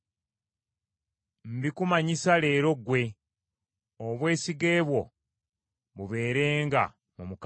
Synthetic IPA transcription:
m̩bikumaɲisale̞ːɾo̞ɡwe̞ | oβwe̞ːsiɡe̞ːβwo̞ | βuβe̞ːɾe̞ːŋɡa̰ | mumuk

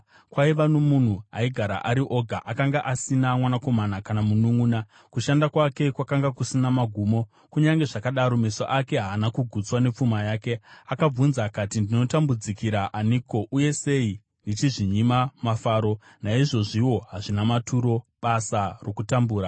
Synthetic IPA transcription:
kwaiʋano̞mun̤ua̰iɡʱaɾa̰ʔaɾiʔo̞ɡʱaʔakaŋɡaʔasinamwanako̞manakanamunuŋuːna | kuʃandakwake̞kwakaŋɡakusinamaɡʱuːmo̞ | kuɲaŋɡe̞ʐakaɗaɾo̞me̞soʔake̞ɦaːnakuɡʱut͡swane̞p͡fumajaːke̞akab͡vunzakatindino̞tambud͡zikiɾaʔaniko̞ʔuje̞se̞i | ndit͡ʃiʐiɲimamafaːɾo̞ | naiʐo̞ʐiwo̞ɦaʐinamatʰuɾo̞ɓasaro̞kutambuːɾa

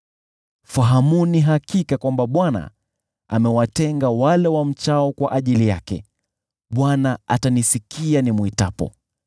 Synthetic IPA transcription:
faɦamuniɦakikakwambaɓwana̰ | a̰mɛwatɛŋɡawalɛwam̩t͡ʃaɔkwaʔaʄilijakɛ̰ | ɓwanaatanisikianimwitapɔ̰

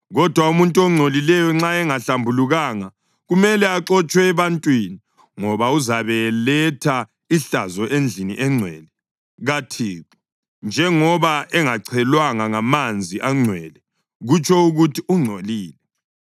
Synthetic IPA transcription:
ɣɔd̥ʱwaumuntʼoŋ͡ǀʱolilɛjɔŋ͡ǁaɛŋaɬambʱuluɣaːŋa | ɣumɛlɛaǁɔt͡ʃʼwɛːβantʼwini | ŋɔβauzaβɛlɛtʰa | iɬazɔʔend͡ɮʱiniʔɛŋ͡ǀʱwɛ̰ːlɛ | ɣatʰiːɣɔ | nd͡ʒʱɛŋɔβaʔɛŋaǀʰɛlwaŋaŋamand͡zʱiʔaŋ͡ǀʱwɛːlɛ | ɣut͡ʃʰʼɔuɣutʰiuŋ͡ǀʱoliːlɛ

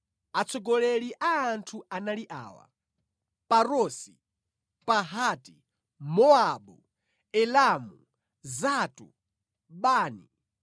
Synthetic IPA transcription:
at͡sʰɔɡɔlɛliʔaːntʰuanaliʔa̰ːwa̰ | paɾɔːsi | paɦaːti | mɔaɓu | ɛlamu | zatṵ | ɓaːnḭ

